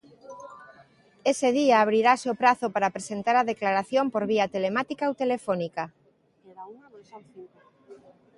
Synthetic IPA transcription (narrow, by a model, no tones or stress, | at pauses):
eseðiaːβ̞ɾiɾaseopɾaθopaɾapɾesent̪aɾaðeklaɾaθjompoɾβ̞iat̪elemat̪ikaowt̪elefɔnika